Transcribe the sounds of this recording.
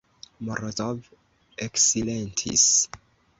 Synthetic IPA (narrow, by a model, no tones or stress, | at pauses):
mɔɾɔtɔv | ɛksilentʰḭs